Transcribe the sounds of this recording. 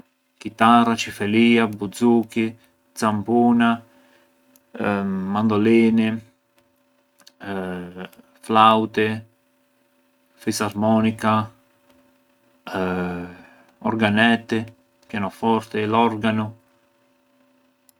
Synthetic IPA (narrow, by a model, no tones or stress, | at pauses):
kit̪arat͡ʃifeliːabud̪zuki | d̪zampuːna | mand̪oliːnɪ | flawt̪e | fisaɾmɔnika | oɾɡanɛt̪ːe | pjanofɔɾt̪elɔɾɡano